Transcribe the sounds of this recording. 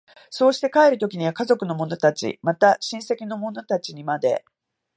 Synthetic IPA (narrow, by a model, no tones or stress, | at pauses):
so̞ːɕi̥t̪e̞kaeɾɯ̟t̪o̞kʲiɲ̟iβakazo̞kɯ̟no̞mo̞no̞t̪at͡ɕḭmat̪aɕĩɰ̃se̞kʲino̞mo̞no̞t̪at͡ɕiɲ̟imad̪e̞̰